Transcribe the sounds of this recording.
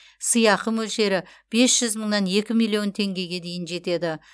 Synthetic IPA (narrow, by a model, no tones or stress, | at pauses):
sijɑqəmɵlʃe̞ɾɪb̥e̞sʒ̥ʏzməɴnɑnje̞kʲɪmijlʲˠːijo̞nt̪ʰe̞ŋɡʲe̞ɡʲed̪e̞jɪnʒe̞t̪e̞d̪ɪ